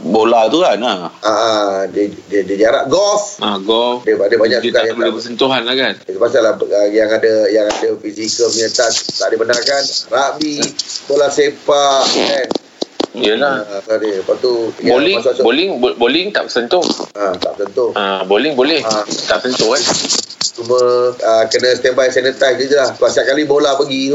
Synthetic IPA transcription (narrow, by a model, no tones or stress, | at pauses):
bolat̪ukanaaʔadədədid͡ʒaɾaʔɡɔfaɡɔfdəbadəbaɲakskajabolɛbəs̬ənt̪uɦanlakansəpasalaəjaŋadəjaŋadəfisikəlməɲət̪ast̪a̰ʔdibənarkanrabibolasepaʔɛn | iəlaadepat̪ubolɪassbolɪŋbbolɪŋt̪a̰ʔpəsənt̪ʊhat̪a̰ʔpəsənt̪ʊhabolɪŋbolɛhat̪aʔsənt̪ʊhkant͡ʃumə̃əkənə̃st̪ɛbajsanət̪ajsɡid͡ʒəlaht̪uasiaʔ̚kalibolapəɡi